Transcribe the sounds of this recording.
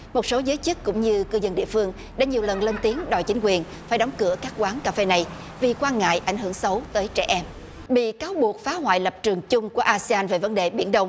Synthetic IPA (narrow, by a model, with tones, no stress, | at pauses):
mo˨˩t̚so˨˦zəː˨˦jt͡ɕɨ˦˥k̚kʊ̰˧˥ŋ͡mɲɨ˧kɨ˧zə˧nɗḭ˧˨əfɨ˧əŋ | ɗa̰ː˧˥ɲi˨˩əwlə˨˩nle˧nt̪i˨˦əŋɗɔ̰˧˨jt͡ɕï˨˦ŋ̟kwi˨˩ən | faː˧˩jɗɔ˨˦wŋ͡mkɨ˧˩əkaː˦˥k̚kwaː˨˦ŋkaː˧fe˧na˨˩j | vi˨˩kwaː˧nŋa̰ː˧˨jʔa˧˩jŋ̟ɦɨ̰˧˩əŋsə˨˦wt̪əː˨˦jt͡ɕɛ̰˧˩ʔɛ˧m | ɓḭ˧˨kaː˨˦wɓu˨˩ək̚faː˨˦hwa̰ː˧˨jlə˨˩p̚t͡ɕɨ˨˩əŋt͡ɕʊ˧ŋ͡mku˧˩əʔaː˧si˧aː˧nve˨˩və˨˦nɗe˨˩ɓi˧˩ənɗə˧wŋ͡m